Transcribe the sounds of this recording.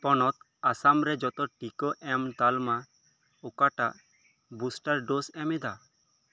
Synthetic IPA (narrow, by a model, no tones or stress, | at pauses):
pɔnɔt̪ | asamɾɛd͡ʒɔt̪ɔʈikɔʔɛmt̪alma | ɔkaʈaʔ | busʈaɾɖosɛmɛd̪a